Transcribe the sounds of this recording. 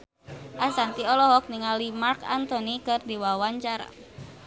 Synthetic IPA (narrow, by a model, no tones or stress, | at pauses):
ʔasant̪iɔlɔɦɔk̚niŋalimarkant̪ɔnikɨrdiwawaɲt͡ʃaɾa̰